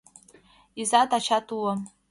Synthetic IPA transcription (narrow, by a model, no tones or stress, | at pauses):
izatʰat͡ʃʰatʰuwa